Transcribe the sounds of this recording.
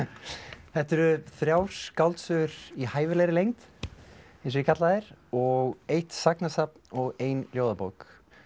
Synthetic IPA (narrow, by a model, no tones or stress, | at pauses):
θɛht̪ɛɾʏθɾjawskawlt̪sʏɣʏɾihaːjvɪlejɾɪlejŋt̪ | ɛsɪkʰat̪laðɪɾ̥ɔɣejht̪saknasap̚nɔɣeːjnljoːwðapowk